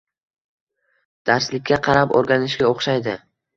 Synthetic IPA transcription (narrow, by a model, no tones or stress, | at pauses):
d̪̥aɾslɪkʲːaqʰɑɾapo̰ɾɡʲanɪʃɡʲaoχʃajd̪ɪ